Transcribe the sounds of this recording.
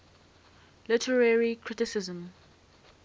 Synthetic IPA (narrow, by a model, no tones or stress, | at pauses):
lɪtʰəɹɛɹikʰɹɪtɪsɪzə̃m